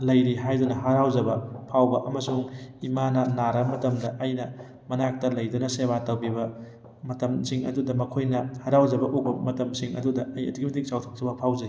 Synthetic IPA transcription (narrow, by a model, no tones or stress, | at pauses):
lɐjɾiɦajdunɐɦɐɾawzɐbɐpʰawbɐʔɐmɐsuŋimanɐnaɾɐmɐtɐmdɐʔːjnɐ | mɐnak̚tɐlɐjdunɐseβatɐwbibɐ | mɐtɐmsiŋɐ̰dudɐmɐkʰojnɐhɐɾawzɐbɐʔuk̚bɐmɐtɐmsiŋɐ̰dudɐɐjɐ̰tʰiɡibɐtik̚sawtʰok̚tʰɐbɐpʰawzɐi